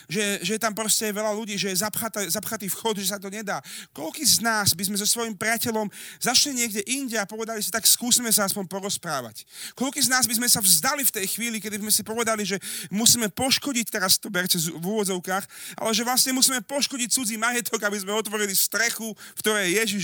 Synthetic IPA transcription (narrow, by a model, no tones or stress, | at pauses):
ʒɛʒɛjɛt̪ampɾɔscɛajʋɛʎaluɟiːʒɛjɛzapxat̪ɛzapxat̪iːfxɔd̪ʒɛs̬at̪ɔɲɛd̪aːkɔʎkiːznaːzbizmɛzɔsʋɔjimpɾiacɛʎɔmzaʃliɲɪɛɡɟɛʔiɲɟɛapɔʋɛd̪alisit̪akskuːsimɛs̬aaspɔɲpɔɾɔspɾaːʋa̰ckɔlkiːznaːzbizmɛsavzd̪alift̪ɛjxʋiːlikɛd̪izmɛsipɔʋɛd̪aliʒɛmusiːmɛpɔʃkɔɟic̚t̪ɛɾast̪ɔbɛɾtɛzvuʋɔd͡zɔʊkaːxʔa̰lɛʒɛʋlasɲɛmusiːmɛpɔʃkɔɟic̚t͡sud͡ziːmajɛt̪ɔɡabizmɛɔt̪ʋɔɾilist̪ɾɛxukt̪ɔɾɛːjjɛʒiʃ